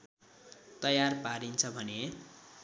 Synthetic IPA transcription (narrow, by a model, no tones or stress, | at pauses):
t̪ʌjarpaɾint͡sʰʌbʱʌne